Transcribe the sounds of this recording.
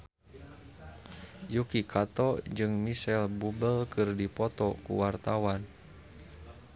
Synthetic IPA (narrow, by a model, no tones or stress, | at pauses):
jukikat̪ɔd͡ʒɨŋmisɛlbubəlkɨrdipɔt̪ɔkṵwart̪awan